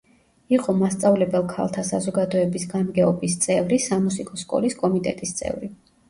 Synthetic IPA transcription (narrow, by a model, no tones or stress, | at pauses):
iqʼɔmast̪sʼavlɛbɛlˠkʰa̰lˠt̪ʰasazɔɡad̪ɔɛbisɡamɡɛɔbist̪sʼɛvɾisamusikʼɔskʼɔ̰liskʼɔmit̪ʼɛ̰t̪ʼist̪sʼɛ̰vɾi